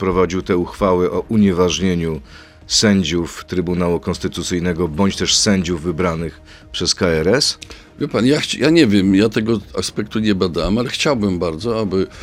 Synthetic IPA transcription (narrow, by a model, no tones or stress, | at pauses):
pɾɔvad͡ʑiwt̪ɛuxfawɘʔɔʔuɲɛvaʐɲeɲu | sɛɲd͡ʑuft̪ɾɘbunawukɔnst̪ɘt̪ut̪sɘjnɛɡɔbɔɲt͡ɕt̪ɛʂsɛɲd͡ʑuvːɘbɾanɘx | pʂɛskaɛɾɛs | vʲjɛpanjaxjaɲɛvʲjɛmjat̪ɛɡɔa̰spɛk̚t̪uɲɛbad̪awamalɛxt͡ɕawbɘmbaɾd̪zɔabɘ